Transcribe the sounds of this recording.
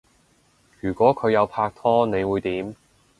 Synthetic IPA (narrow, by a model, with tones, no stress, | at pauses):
jyː˨˩kʷɔː˨˥kʰɵ˨˧ɥjɐ˨˧wpʰaː˧k̚t̪ʰɔː˥ne˨˧jwuː˨˧jt̪iː˨˥m